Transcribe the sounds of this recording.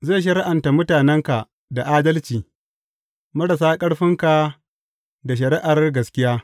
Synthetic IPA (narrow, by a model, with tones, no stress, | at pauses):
zeː˦˨ʃ̬ɐ˦ɾɪ˦ʔa˨nta˨mʊ˦taː˨nɛ˦ŋka˨ | da˨ʔaː˦dɐ˦lt͡ʃiː˨ | mɐ˦ɽa˨s̬aː˦kʼɐ˦ɽɸɪ˦ŋka˨ | da˨ʃ̬ɐ˨ɾɪ˦ʔa˨rɡɐ˨skʲɪ˦jaː˦